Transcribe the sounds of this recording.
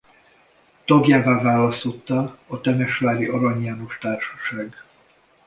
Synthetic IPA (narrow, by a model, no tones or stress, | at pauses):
t̪ɒɡjaːvaːvaːlɒst̪o̞t̪ːɒːt̪ɛmɛʃvaːɾiʔɒɾɒɲaːno̞ʃt̪aːrʃɒ̥ʃaːɡ